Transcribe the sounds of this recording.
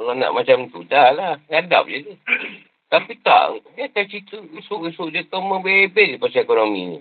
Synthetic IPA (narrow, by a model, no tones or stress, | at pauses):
kalanã̰ʔmat͡ʃamt̪udalahɡada̰p̚d͡ʒədi | t̪apit̪a̰ʔbiak̪at͡ʃit̪əusʊʔusuʔd͡ʒət̪omə̃bebesdipasaekonomḭ̃ɲḭ̃